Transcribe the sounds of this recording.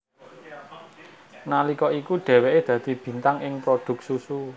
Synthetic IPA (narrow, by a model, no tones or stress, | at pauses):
nalikɔikuɖ̪̥ɛ̤weʔed̪̥ä̤d̪̥i̤b̥i̤nt̪aŋɪŋpɾod̪̥ʊ̤k̚susu